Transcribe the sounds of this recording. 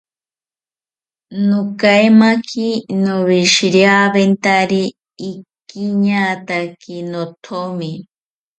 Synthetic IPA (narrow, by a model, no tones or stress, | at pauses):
nokajmakʰinoβiʃiɾjaβent̪aɾiː | kiɲat̪akinot̪ʰomi